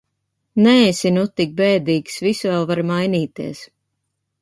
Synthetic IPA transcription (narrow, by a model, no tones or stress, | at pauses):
nɛsinut̪ːik̚bɛːd̪iːksvisvɛlˠvaɾmajniːt̪iɛs